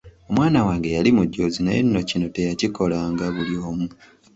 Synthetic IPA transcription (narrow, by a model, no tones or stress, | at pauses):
o̞mwaːnawaːŋɡe̞jalimuɟːo̞ːzinajenːo̞cino̞te̞jaciko̞laːŋɡaβulioːmu